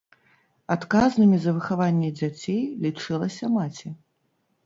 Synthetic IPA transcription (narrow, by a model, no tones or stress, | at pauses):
at̪kaznɨmʲizɐvɨxavanʲːɛd͡zʲat͡sʲejlʲit͡ʂɨlˠɐsʲɐmat͡sʲi